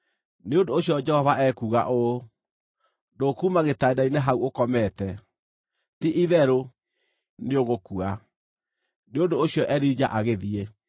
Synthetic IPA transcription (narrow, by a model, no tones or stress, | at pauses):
neondoːɕijɔd͡ʒɛhɔvaʔɛkuːɣa̰ʔo | dokumaɣetaedaineɦauokɔmɛtɛ | tiʔiðɛɾo | neoɣokua | neondoːɕjɔʔɛɾid͡ʒa̰ʔaɣeðie